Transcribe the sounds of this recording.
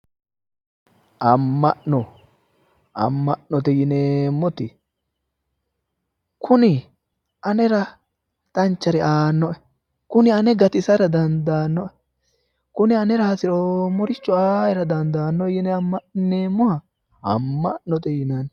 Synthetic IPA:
ɐmːɐʔnɔ | ɐ̰mːɐʔnɔt̪ɛjɪneːmːɔt̪ɪ | kʊnɪ | ʔɐnɛɾɐ | t̪ʼɐnt͡ʃːɐɾɛaːnːɔʔɛ | kʊnɪɐnɛɡɐt̪ɪsɐɾɐd̪ɐnd̪aːnːɔʔɛ | kʊnɪɐnɛɾɐhɐsɪɾɔmɔɾɪt͡ʃːɔaːjɛɾɐd̪ɐnd̪aːnːɔjɪnɛɐmːɐneːmːɔhɐ | ɐ̰mːɐʔnɔt̪ɛjɪnɐn

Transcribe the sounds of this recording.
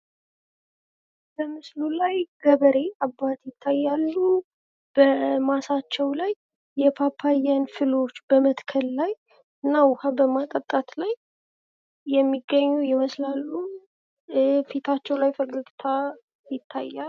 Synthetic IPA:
b̥əmɨslulajɡ̥əβəɾe̞abːat̪jɪt̪ʰːajːalːu | b̥əmasat͡ʃːɛwlajː | ɛpʰapʰːajanfɨlo̞t͡ʃːbəmət̪kʰəlːaj | ɨnːawʊhabəmakʼət̪ʼat̪laj | ɛmːiɡːəɲːujɪməslalːu | fit̪ʰat͡ʃːɛwlajfəɡəɡt̪ʰa | jɪt̪ʰːajːal

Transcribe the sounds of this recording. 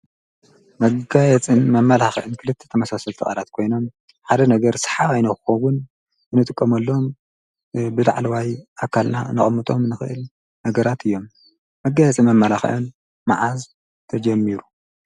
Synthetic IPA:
mɐɡajɛt͡sʼɨnmɐmːɐlaxʔɨnkʰɨlɨt̪ʰːe̥t̪ʰɐmɐsasɐlt̪ʰɨxʼɐ̰lat̪kʰo̞jno̞m | ħad̪ɐnɐɡɐɾsɨ̥ħaβajnɐxɨxɐwʊn | ɨnɨt̪ʼɨkʼːɐmɐlːoom | bɨlaʕlɐwajʔakʰːalnanɨχʼɨmːɨt̪ʼo̞mnɨxɨʔɨl | nɐɡɐɾat̪ʰɨjːo̞mː | ɐɡːajɛt͡sʼɨnmɐmːɐlaxʔɨn | maʕaz | t̪ʰɐd͡ʒɐmːiɾu

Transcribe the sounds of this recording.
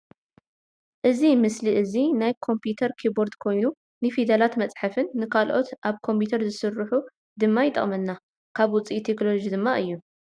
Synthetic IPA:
ʔɨzimɨsliʔɨzinajkʰo̞mpʰjut̪ʰɐɾkʰibo̞ɾd̪kʰo̞jnu | nɨfid̪ɐlat̪mɐt͡sʼħafɨnːɨkʰalʔo̞t̪ʔaβkʰo̞mpʰut̪ʰɐɾzɨsɨrːɨħu | d̪ɨmːajɪt̪ʼːɐ̰χʼmɐnːa | kʰaβwʊt͡sʼit̪ʰeknolod͡ʒid̪ɨmːaʔɨjːu

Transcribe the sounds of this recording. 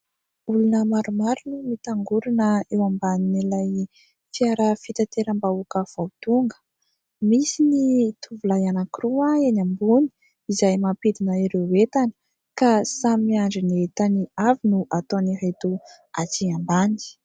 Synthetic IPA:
ulunəmaɾumaɾunumit̪aŋɡuɾanəewambaninilaj | fiaɾəfit̪at̪eɾambaukəv̥awt̪uŋɡə̥ | misinit̪ʰuvulajanakiruaenambuni̥ | izajmapid̪inəiɾeet̪anə̥ | kasamiaɳɖ͡ʐinet̪aniavinuʔat̪oniɦet̪u | at͡siambani̥

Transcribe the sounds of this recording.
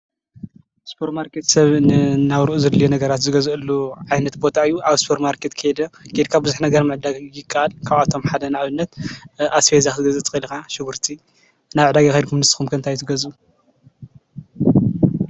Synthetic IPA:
spʰoɾtmaɾket̪sɐβnɨnaβɾɨʔuzɐd̪lijenɐɡɐɾat̪zɨɡɐzʔɨlːuʕajnɐt̪bo̞t̪ʰaɨjːuʔaβspʰoɾmaɾkʰet̪kʰɐjɛd̪ɐɡ̥ed̪kʰabɨzuħnɐɡɐɾmɨʕd̪aɡɪkʰːaʔalkʰaβat̪ʰo̞mħad̪ɐnaʕaβɨnːɐt̪ʔasfezaxzɨɡɐzɨt͡sʼɨkʼilɨkaʃɪɡuɾt̪ʰi | naβʕɨd̪aɡaxajd̪̚kʰumnɨst̪i̥xumkʰɐnt̪ʰajt̪ʰɨɡɐzu

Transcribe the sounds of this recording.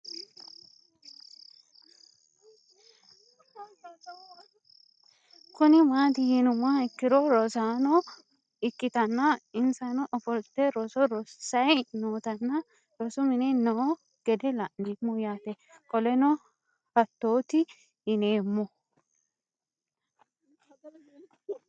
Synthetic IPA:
kʊnɪmaːt̪ɪhɪnʊmɐɪkːɪɾɔɾɔsaːnɔ | ɪkːɪt̪ɐnːɐɪnsɐnɔʔɔfɔlt̪ɛɾɔsɔɾɔsɐjnoːt̪ɐnːɐ | ɾɔsʊmɪnɛnɔː | ɡ̥ɛd̪ɛlɐʔnimːɔjaːt̪ɛ | kɔlɛnɔ | hɐt̪ːo̞ːt̪ɪ | ɪne̞ːmːɔ

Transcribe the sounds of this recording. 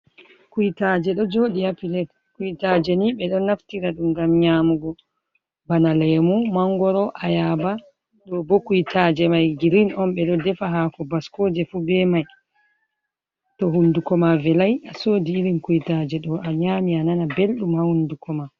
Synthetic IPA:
kujtad͡ʒɛɗɔd͡ʒoːɗihapilɛt | kujtaːd͡ʒɛniɓɛɗɔnaftiɾaɗumɡamɲaːmuɡɔ | banalɛmumaŋɡɔɾɔʔajaːba | ɗɔbɔkujtaːd͡ʒɛmajɡiɾinɔnɓɛɗɔdɛfaɦakɔbaskɔːd͡ʒɛfubɛmaj | tɔɦundukɔmavɛlajasoːdiːɾinkujtaːd͡ʒɛɗɔʔaɲaːmiananabelɗumhahundukʰɔma

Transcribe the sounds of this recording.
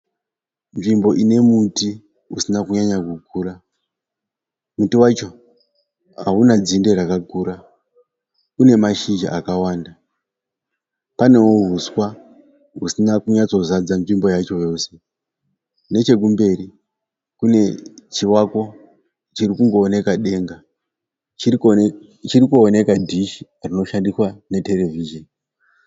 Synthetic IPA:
nʐimbo̞ʔine̞muti | usinakuɲaɲakukʰuːra | mutiwat͡ʃo̞ | ɦaunad͡zinde̞ɾakakuːɾa | kune̞maʃid͡ʒa̰ʔakawaːnda | pane̞woɦuswa | ɦusinakuɲat͡so̞zad͡zanvimbo̞jat͡ʃo̞jo̞se̞ | ne̞t͡ʃe̞k̬umbe̞ɾi | kune̞t͡ʃiwako̞ | t͡ʃiɾikuŋɡo̞ːne̞kaɗe̞ːŋɡa | t͡ʃirikuone̞kadʱiʃi̥ | rino̞ʃandiswane̞te̞le̞viʒoni

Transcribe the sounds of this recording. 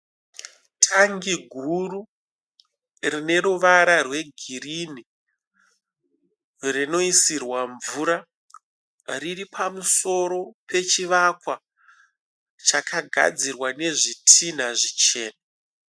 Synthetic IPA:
tʰaŋɡiɡʱuru | rine̞ɾuʋaɾarwe̞ɡʱirini | rino̞isirwaɱvuɾa | riripʰamuso̞ɾo̞pʰe̞t͡ʃiʋakwa | t͡ʃakʰaɡʱa̰d͡zirwane̞ʐitʰin̤aʐit͡ʃe̞ːna

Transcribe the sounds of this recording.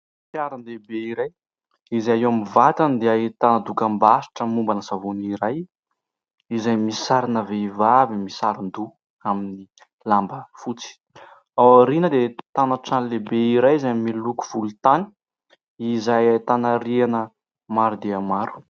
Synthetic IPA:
fjaɾanlebeiɾaj | izaaewamivat̪and̪eait̪anad̪ukəmbaʃi̥ʈ͡ʂəmumbanəsavuniɾaj | izajmisaɾinaveivavimisaɾind̪u | amini | lambəfut͡si̥ | awaɾinəd̪et̪anaʈ͡ʂanlebeiɾajizajmiluku̥v̥ulut̪ani̥ | izajt̪anaɾianə | maɾud̪eamaɾu̥

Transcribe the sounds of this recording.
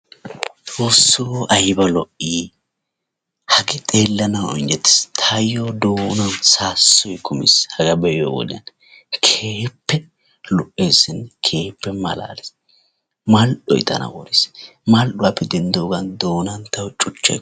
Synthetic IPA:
tʼoːsːoɐjbɐlɔʔiː | hɐɡɛt̪ʼe̞ːlːɐnɐwɔ̰nd͡ʒɛt̪ːɪ̥st̪ʰajːoːd̪oːnɐnsaːsːɔjkʰʊmɪ̰shɐɡɐbɛjo̰wɔ̰d̪ɐn | kʰeːpːɛ | lʊʔeːsɪnːkʰe̞ːpːɛmɐ̰la̰ːlɛs | mɐlʔɔ̰jt̪ɐ̰nɐ̰wɔɾɪsmɐlɗʊwaːpːɛd̪ɛnd̪oːɡɐnd̪o̞ːnɐnt̪ɐwt͡ʃʼʊt͡ʃːɐ̰j

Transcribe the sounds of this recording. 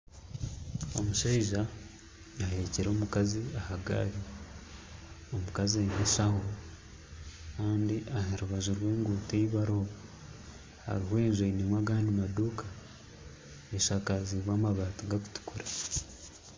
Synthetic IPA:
omuʃaiʒaː | heɾeceɾo̞ːmukaziahaɡa̰ɾi | omukaziaimeʃaɦo | kaːndiʔaheɾuβaʒuɾwe̞ːŋɡoːteiβaɾo | ha̰ɾihwe̞ːnʒainimwaɡaːnimaduka | eʃakaziβaːmaβaːtuɡaku̥tu̥kuɾḁ

